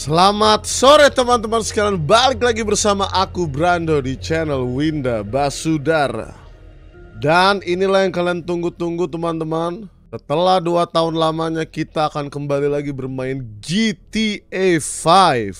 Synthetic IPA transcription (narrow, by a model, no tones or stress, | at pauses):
səlamat̪̚soɾet̪əmant̪əmansə̥kalanbalɪk̚laɡibərsamaʔakubɾandodit͡ʃɛnəlwindabasudaɾa̰ | daninilahjaŋkaliant̪uŋɡut̪uŋɡut̪əmant̪əmansət̪əlahduat̪aɦʊnlamaɲakit̪aːkankəmbalilaɡibərmaɪnd͡ʒit̪iefajf